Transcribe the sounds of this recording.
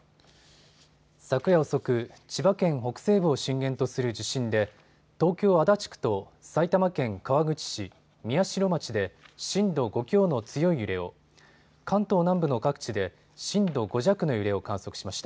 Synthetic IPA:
sakɯ̟jaoso̞kɯ̟ | t͡ɕibakẽ̞ɰ̃ɦo̞kɯ̟̥se̞ːbɯ̟oɕĩŋɡẽ̞nt̪o̞sɨɾɯ̟d͡ʑiɕĩnd̪e̞ | t̪o̞ːkʲo̞ːad̪at͡ɕi̥kɯ̥t̪o̞ | sait̪amakẽ̞ŋkaβaɡɯ̟t͡ɕi̥ɕi | mʲiaɕiɾo̞mat͡ɕid̪e̞ɕĩnd̪o̞ɡo̞kʲo̞ːno̞t͡sɨjo̞ijɯ̟ɾe̞o̞̰ | kʰãnt̪o̞ːnãmbɯ̟no̞kakɯ̟̥t͡ɕid̪e̞ | ɕĩnd̪o̞ɡo̞ʑakɯ̟no̞jɯ̟ɾe̞o̞kãɰ̃so̞kɯ̟̥ɕimaɕi̥t̪a

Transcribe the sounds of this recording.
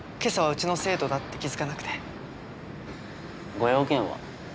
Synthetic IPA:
ke̞saβaɯ̟t͡ɕino̞se̞ːt̪od̪at̪ːe̞kʲizɨkanakɯ̟̥t̪e | ɡo̞jo̞ːkẽɰ̃βa̰

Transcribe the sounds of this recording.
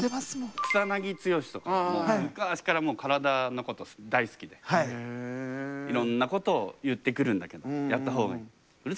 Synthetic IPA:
emasmõkɨ̥t̪anaɡʲit͡sɨjo̞ɕi̥t̪o̞kokaɕi̥kaɾamo̞ːkaɾad̪ano̞ko̞t̪o̞d̪aisɨ̥kʲid̪e̞ai | iɾõ̞nːako̞t̪o̞ːjɯ̟t̪ːe̞kɯ̟ɾɯ̟̃nd̪ake̞d̪ojat̪ːaɦo̞ːɡa̰i̥ | ɯɾ

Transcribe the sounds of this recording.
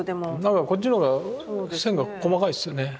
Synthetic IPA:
d̪emnãŋkako̞t͡ɕːinoɡḁsẽ̞ŋɡako̞makaisɨjone̞

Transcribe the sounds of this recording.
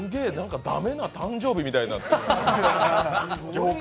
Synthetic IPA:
ɨɡe̞nãŋkad̪a̰me̞nat̪ãɲd͡ʑo̞ːbʲimʲit̪ainã

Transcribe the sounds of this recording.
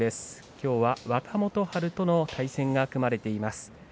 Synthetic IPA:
e̞sɨ̥ | kʲo̞ːβaβakamo̞t̪o̞haɾɯ̟t̪o̞no̞t̪ʰaisẽ̞ŋɡakɯ̟maɾe̞t̪e̞imasɨ̥

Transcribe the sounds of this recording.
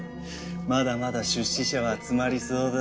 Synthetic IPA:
mad̪amad̪aɕɨɕːiɕaβaːt͡sɨmaɾʲisoːd̪

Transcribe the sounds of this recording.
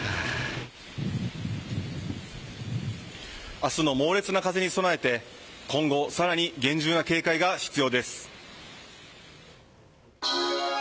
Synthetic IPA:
asɨno̞mo̞ːɾe̞t͡sɨnakaze̞ɲ̟iso̞nae̞t̪e̞kʰõ̞ŋɡo̞saɾaɲ̟iɡẽ̞ɲ̟d͡ʑɨːnake̞ːkaiɡaɕi̥t͡sɨjo̞ːd̪e̞sɨ̥

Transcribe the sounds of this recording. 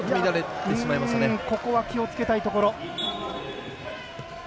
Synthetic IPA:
mʲid̪aɾet̪ːẽɕimaimasneko̞ko̞βakʲio̞t͡sɨ̥ke̞t̪ait̪o̞ko̞ɾo̞

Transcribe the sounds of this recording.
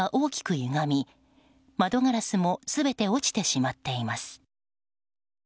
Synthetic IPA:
aʔo̞ːkʲi̥kɯ̟jɯ̟ŋamʲi | mad̪o̞ŋaɾasɨmo̞sɨbe̞t̪e̞o̞t͡ɕi̥t̪e̞ɕimat̪ːe̞imasɨ̥

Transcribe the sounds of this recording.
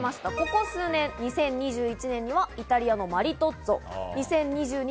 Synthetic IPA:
maɕi̥t̪ako̞ko̞sɨːnẽ̞nɲisẽ̞ɲ̟ːiʑɨːit͡ɕinẽ̞ɲ̟iβait̪aɾʲiano̞maɾʲit̪o̞t͡so̞ɲ̟isẽ̞ɲ̟ɲʲːiʑɨːɲ̟

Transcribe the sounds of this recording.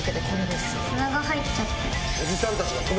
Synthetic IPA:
ked̪ekʰoɾed̪e̞sɨ̥ | naɡahaitt͡ɕːat̪ːe | od͡ʑisãnt̪at͡ɕiɡakon

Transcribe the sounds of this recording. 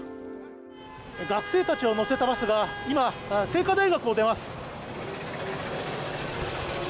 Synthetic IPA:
ɡakɯ̟̥se̞ːt̪at͡ɕio̞no̞se̞t̪amasɨɡaimase̞ːkad̪aiɡakɯ̟o̞d̪e̞masɨ̥

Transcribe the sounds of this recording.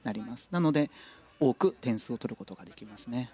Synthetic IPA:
naɾʲimasɨ̥nano̞d̪e̞ | o̞ːkɯ̟t̪ẽɰ̃sɨo̞t̪o̞ɾɯ̟ko̞t̪o̞ɡad̪e̞̥kʲimasɨne̞

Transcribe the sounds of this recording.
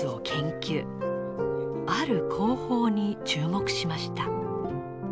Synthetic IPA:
ɨo̞kʰẽ̞ŋkʲɨː | aɾɯ̟kʰo̞ːho̞ːɲ̟it͡ɕɨːmo̞kɯ̟̥ɕimaɕi̥t̪a

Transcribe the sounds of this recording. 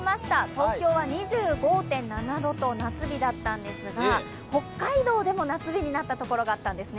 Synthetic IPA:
maɕi̥t̪at̪o̞ːkʲo̞ːβaɲ̟iʑɨːɡo̞ːt̪ẽ̞nːanad̪o̞t̪o̞nat͡sɨbʲid̪at̪ːãnd̪e̞sɨɡa | ho̞kːaid̪o̞ːd̪e̞mo̞nat͡sɨbʲiɲ̟inat̪ːat̪o̞ko̞ɾo̞ɡaːt̪ːãnd̪e̞sɨne

